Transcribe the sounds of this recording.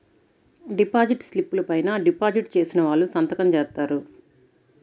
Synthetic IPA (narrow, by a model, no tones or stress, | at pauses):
ɖipaːd͡ʒiʈslipːulɐpɐjnɐɖipaːd͡ʒiʈt͡ʃe̞ːsinɐʋaːɭːusɐnt̪ɐkɐmt͡ʃɛːɾt̪aːɾu